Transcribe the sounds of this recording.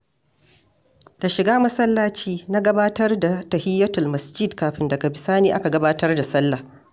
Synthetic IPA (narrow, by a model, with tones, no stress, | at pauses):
ta˨ʃɪ˨ɡaː˦mɐ˦sɐ˦lːaː˦t͡ʃiː˦na˦ɡɐ˦baː˦tɐ˦rda˨tɐ˨hɪ˦jːɐ˦tʊ˨mɐ˨sd͡ʒi˦dkaː˨ɸɪ˦ndɐ˨ɡa˨bɪ˨saː˦niː˦ʔa˦ka˨ɡɐ˦baː˦tɐ˦rda˨sɐ˦lːa˨